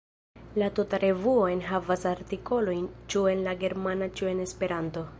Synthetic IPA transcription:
latutaɾʔe̞vuoenɦavasaɾtiko̞lo̞jnt͡ʃue̞nlaɡe̞ɾmanat͡ʃue̞ne̞spe̞ɾanto̞

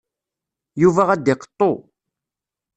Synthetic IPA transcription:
juvæʁæd̪ɪqə̥t̪ˤːo

